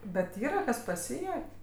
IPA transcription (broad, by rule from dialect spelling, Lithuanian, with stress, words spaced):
ˈbʲɛt ˈiːrɐ ˈkɐs pɐˈsʲiːjuɔkʲ